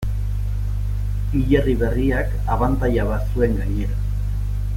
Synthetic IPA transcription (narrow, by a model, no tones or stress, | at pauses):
iʎeriβe̞riak | aβant̪ajaβasue̞ŋɡaɲe̞ɾa